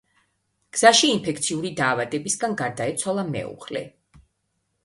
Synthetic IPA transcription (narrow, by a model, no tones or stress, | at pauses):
ɡ̥z̥aʃiːmpʰɛk̚t̪sʰiuɾid̪aːvad̪ɛbisɡanɡaɾd̪aɛt̪sʰwalˠamɛ̰ṵχlɛ̰